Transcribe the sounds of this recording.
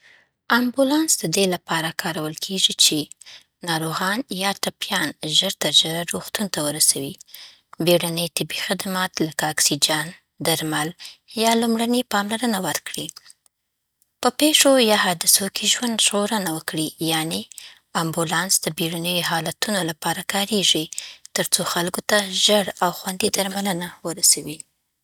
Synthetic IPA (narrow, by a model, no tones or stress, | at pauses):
ambulɑnsd̪əd̪elapɑɾakʰɑɾawəlkʰeʐit͡ʃe | nɑɾoɣɑnjɑʈapjɑnʒəɾt̪ad͡ʒəɾaɾoxt̪unt̪awəɾasawi | beɽanəjt̪ɪbixad̪amɑt̪lakaaksid͡ʒɑn | d̪aɾmaljɑlumɽanepɑmlaɾənawəɾkɽi | pəpeʂojɑhɑd̪ɪsokʰeʒwand̪ʒɣoɾənawəkɽijɑne | ambulɑnsd̪̥əbeɽanəjoɦɑlat̪unolapɑɾakɑɾeʐit̪əɾt͡soxalkot̪aʒəɽawxwand̪id̪aɾmalənawəɾasawi